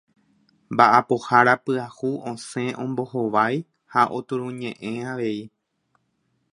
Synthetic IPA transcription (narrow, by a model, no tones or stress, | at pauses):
mbaʔapo̞haɾapɨahuʔõsẽ̞ʔõ̞mbo̞hoʋaj | haʔo̞t̪uɾũɲẽ̞ʔẽ̞aʋe̞i